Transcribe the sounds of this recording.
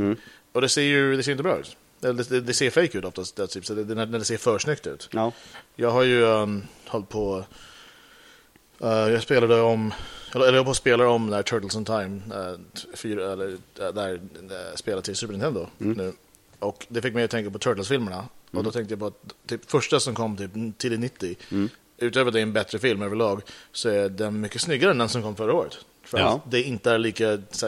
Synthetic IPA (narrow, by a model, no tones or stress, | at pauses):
ɔd̪ɛseːɾjɵd̪ɛseːɾjɪnt̪bɾɑ̰ːʉ̟̰ːt̪ | ɛlːɖ̪ɛd̪ɛd̪ɛseːɾfejkʉ̟t̪ɔft̪ast̪t̪ʰyːpsɔd̪ɛnænæɖɛseːɾfœːʂnʏkt̪ʉ̟̰ːt̪ | jɑːɡɦaɾjɵhɔlt̪̚pʰɔ | ɛjɑːɡspeːlad̪ɛɔmɛlɛlːəɾɑpɔspeːlaɾɔmnæɾʈ̪ʰœːʈ̪əlsɔnt̪ʰaɪm | fyːɾɛlːəd̪ɛɾspeːlad̪t̪ʰɪlsʉːpəɾɪnt̪ʰɛnd̪ʊnʉ̟ː | ɔkd̪ɛfɪk̚ːmɛːɾt̪ʰɛŋkapɔt̪ʰœːʈ̪lsfɪlməɳaʔɔd̪ɔt̪ʰɛŋkt̪əjapʰɔat̪̚ʰːyːpfœʂʈasɔmkʰɔmːt̪ʰyːpt̪ʰɪlɪnɪt̪ːɪ | ʉ̟ːt̪øːvəɖɛɛnbɛt̪ɾəfɪlmøːvəɭɑːɡsɔæɖɛnmʏkːəsnʏɡːaɾɛnɛnsɔmkʰɔmːfœɾːaoːɾə̰t̪ | fœɾat̪d̪ɛɪnt̪əæɾɭiːkasæ